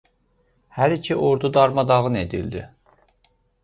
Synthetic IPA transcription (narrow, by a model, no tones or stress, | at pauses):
hæɾicʰiʔo̞ɾd̪ud̪ɑɾmɑd̪ɑʁɯne̞d̪ḭld̪ḭ